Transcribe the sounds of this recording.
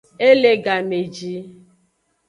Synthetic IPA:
e˦le˦ɡa˨me˨d͡ʒi˦

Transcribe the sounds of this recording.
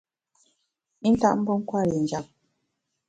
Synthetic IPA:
i˦n̩˦ta̰˦ʔm̩˦bo˦ŋ̩˦kwa˦˨li˨n˨d͡ʒa˦˨p̚

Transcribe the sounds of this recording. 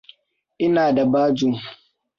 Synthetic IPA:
ʔɪ˦naː˨da˨baː˦d͡ʒu˦ŋ

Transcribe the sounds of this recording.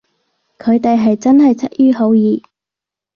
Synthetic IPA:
kʰɵ˨˧ɥt̪e˨jɦɐ˨jt͡sɐ˥nɦɐ˨jt͡sʰɐ˥t̚jyː˥ɦo˨˧wjiː˨˧

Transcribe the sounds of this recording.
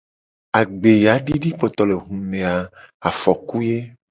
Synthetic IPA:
a˨ɡ͡be˨ja˨˦ɖi˦ɖi˦k͡pɔ˨t̪ɔ˨le˨ɦũ˨mẽ˨a˨a˨fɔ˨ku˦je˦

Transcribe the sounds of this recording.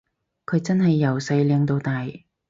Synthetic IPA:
kʰɵ˨˧ɥt͡sɐ˥nɦɐ˨jːɐ˨˩wsɐ˧jlɛː˨˧ŋt̪o˧wt̪aː˨j

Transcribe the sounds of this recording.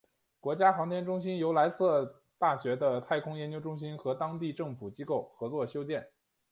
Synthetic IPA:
kwɔ˧˥t͡ɕja˥xɑ˧˥ŋt̪ʰjɛ˥nʈ͡ʂʊ˥ŋɕi˥njo˧˥ʊla˧˥ɪsɤ˥˧ | t̪a˥˩ɕɥɛ˧˥d̪ə˧t̪ʰa˥˩ɪkʰʊ˥ŋjɛ˧˥nt͡ɕjo˥ʊʈ͡ʂʊ˥ŋɕi˥nxɤ˧˥t̪ɑ˥ŋt̪i˥˧ʈ͡ʂɤ˥˩ŋfu˨˩t͡ɕi˥ko˥˩ʊxɤ˧˥t͡swɔ˥˩ɕjo˥ʊt͡ɕjɛ˥˩n

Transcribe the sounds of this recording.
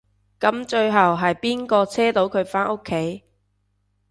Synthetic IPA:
kɐ˨˥mt͡ʃɵ˧ɥɦɐ˨wɦɐ˨jpiː˥nkɔː˧t͡sʰɛː˥t̪o˨˧˥wkʰɵ˨˧ɥfaː˥nʔo˥kʰːe˨˥j

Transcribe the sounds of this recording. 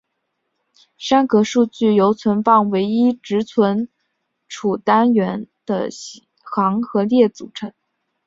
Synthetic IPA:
ʂa˥nkɤ˧˥ʂu˥˧t͡ɕy˥˩jo˧˥ʊt͡sʰwə˧˥npɑ˥˩ŋwe˧˥ɪi˥ʈ͡ʂɻ̩˧˥t͡sʰwə˧˥n | ʈ͡ʂʰu˨˩t̪a˥nɥɛ˧˥nd̪̥ə̰˧ | xɑ˧˥ŋxɤ˧˥ljɛ˥˩t͡sṵ˨˩ʈ͡ʂʰɤ˧˥ŋ

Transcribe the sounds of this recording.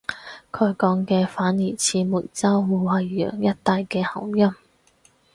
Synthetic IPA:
kʰɵ˨˧ɥkɔː˨˧˥ŋkɛː˧faː˨˥njiː˨˩t͡sʰiː˧muː˨˩t̚t͡sɐ˥wwuː˨˧hɐ˨jːœ̰ː˨˩ŋjɐ˥t̚t̪aː˨˧jkɛː˧hɐ˨˩wjɐ˥m

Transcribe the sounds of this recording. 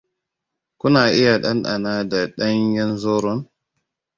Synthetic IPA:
ku˦na˨ʔi˦ja˨ɗa˦nɗa̰˨na˦da˨ɗa˦njɛ˦nzɔ˦ɾɔ˦n

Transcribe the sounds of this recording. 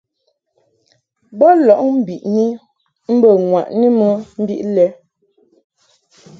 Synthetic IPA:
bɔ˦lɔ˨ʔm̩˦bi˨ʔni˦ | m̩˦bə˨ŋwa̰˨ʔni˦mə˦m̩˦bḭ˦ʔlɛ˦

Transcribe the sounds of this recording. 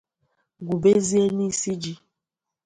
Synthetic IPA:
ɡu˨be˦zi˦e˦ni˦˨si˦d͡ʒi˦

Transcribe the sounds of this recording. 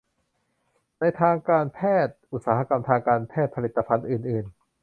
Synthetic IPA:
na˧jt̪ʰaː˧ŋkaː˧npʰɛː˥˩t̪̚ʔu˧˩t̪̚saː˩˦ha˧ka˧mt̪ʰaː˧ŋkaː˧npʰɛː˥˩t̪̚pʰa˧li˨˩t̪ːa˧pʰa˧nʔɯː˨˩nʔɯː˨˩n

